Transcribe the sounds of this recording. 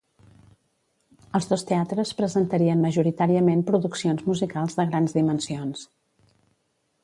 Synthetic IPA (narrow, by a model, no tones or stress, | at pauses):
əlˠzðost̪eat̪ɾəspɾəzənt̪əɾiənməʒuɾit̪aɾiəmempɾuðuksionzmuzikalˠzðəɣɾanzðimənsions